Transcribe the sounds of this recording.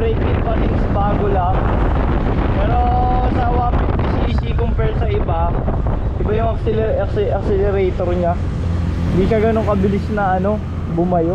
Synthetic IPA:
ɛjt̪ɪnkɐnɪnɐsɐbaːɡolaŋ | pɛːɾo̞sɐwaːmɪnp̪isisikompɛɹsɐʔɪba | ʔɪbajʊŋɐksɛlɛɐksɛʔɐksɛlɛɾɛjt̪oɾɲa | hɪnd̪iːkɐɡɐnoŋkɐbɪlɪsnɐʔɐno̞ | bʊmɐjo

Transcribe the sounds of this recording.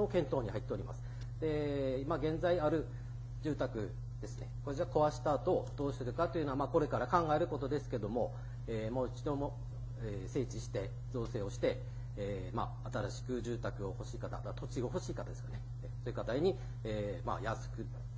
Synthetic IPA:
okẽ̞nt̪o̞ːɲ̟ihait̪ːe̞o̞ɾʲima̰sɨ̥ | d̪̥e̞imaɡẽ̞nd͡zaiaɾɯ̟ | d͡ʑɨːt̪akɯ̟ | d̪̥e̞sɨ̥ne̞kod͡ʑiako̞βaɕi̥t̪aːt̪o̞d̪̥o̞ːɕi̥t̪e̞ɾɯ̟kat̪ojiɯ̟noamaːko̞ɾe̞kaɾakãŋɡae̞ɾɯ̟ko̞t̪o̞d̪e̞sɨ̥ke̞d̪o̞mo̞ | eːmoːit͡ɕid̪o̞mo̞ | ese̞ːt͡ɕiɕi̥t̪e̞ | zo̞ːse̞ːo̞ɕi̥t̪e̞ː | ma̰ːt̪aɾaɕi̥kɯ̟ʑɨːt̪akɯ̟o̞ho̞ɕiːkat̪a̰d̪at̪o̞t͡ɕiɡo̞ɦo̞ɕiːkat̪ad̪esɨ̥kane̞so̞ːiɯ̟kat̪aiɲ̟iː | ma̰jasɨ̥kɯ̟

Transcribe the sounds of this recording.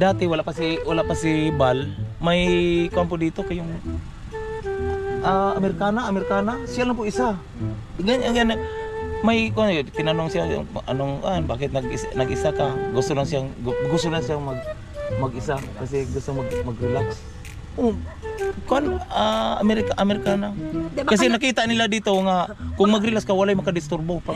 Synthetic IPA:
d̪aːt̪ɪwalaʔpasɪwalaʔpasɪbalmajkʊʔanpod̪iːt̪okajʊŋ | ʔaamɛɾɪkaːnaːmɛɾɪkaːnasɪjalaŋpʊʔɪsa | ɡanaŋanamajkʊʔant̪ɪnanoŋsɪja̰ŋʔa̰noŋa̰ʔnbaːkɪt̪naɡɪsnɐɡʔɪsakaɡʊst̪olaŋsiaŋɡʊst̪olaŋsijamaɡ̚ | maɡɪsakasɛɡʊst̪oŋmaɡmaɡɾɪlaks | ʔo | koʔanamɛɾɪkaʔamɛɾɪkanakas̬ɛnakiːt̪aʔnɪlad̪it̪oŋakʊŋmaɡɾɪlakskawalajmakad̪ɪst̪ʊrbopa

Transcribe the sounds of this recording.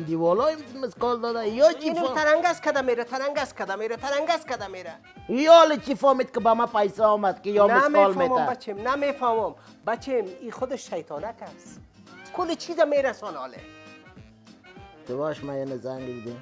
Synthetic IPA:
nd̪iwɔlɔjɪmmɪskɔld̪ɔd̪ajɔt͡ʃint̪aɾaŋɡaskad̪ameɾat̪ʰaɾaŋɡaskad̪ameɾat̪aɾaŋɡaskad̪ameɾa | ijɔːlɪt͡ʃifɔmit̪̚kɪbamapajsaɔmad̪kɪjɔnamɪmekɔlmemmabat͡ʃemnamefamɔm | bat͡ʃʰemixʊd̪ɪʃːajt̪ʰɔːnakas | kʊlɪt͡ʃʰizameɾasɔnɔ̰lḛ | t̪ɪbɔʃmajenɪzaŋɡbid̪i

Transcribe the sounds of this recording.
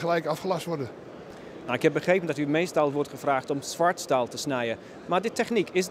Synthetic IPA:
χəlɛjkɑfχəlɑstʋɔɹdə | nawɪkhɛp̚bəχrejpəndɔtymejstɑlˠʋɔɹtχəfraːχtɔmsʋaɹtstalˠtəsnɛjə | maːɹdɪtʰɛχnikʰɪs

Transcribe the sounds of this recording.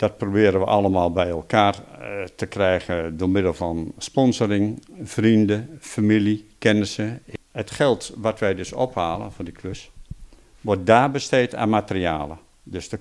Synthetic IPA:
d̥ɔt̚probɪːɾənʋəʔɑlˠəmaːlˠbɛjɛlˠkaːrtəkrɛjɣədʊmɪdəl̩ˠfɔnspɔnzərɪŋfrindəfamilˠikɪnəsəhətxɛlˠtʋatʋɛjdøso̰phaːlˠə̰fodikʰløs | ʋɔt̚daːrbəsteːta̰ːmatəriaːlˠə | døsdə

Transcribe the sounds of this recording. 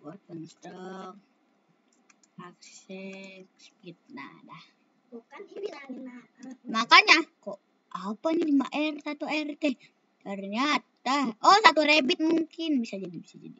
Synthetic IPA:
bɔrpənst̪ɔk̚ | akssɛkskit̪̚na̰dah | ukan | makaɲako | apaɲilimaʔɛrt̪at̪uɛrt̪ɛ | arɲat̪ahɔsat̪uɾɛbit̪̚muŋkinbisad͡ʒadibisad͡ʒa̰di

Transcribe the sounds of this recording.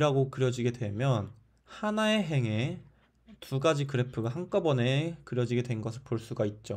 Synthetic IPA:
ɾaɡokɯɾjʌd͡ʑiɡe̞dwe̞mjʌn | hanaeɦe̞ŋe̞ | tʰuɡad͡ʑikɯɾepʰɯɡaɦaŋk͈abʌne̞kɯɾjʌd͡ʑiɡe̞dwe̞nɡʌsʰɯɭpoɭs͈uɡait̚t͡ɕ͈o

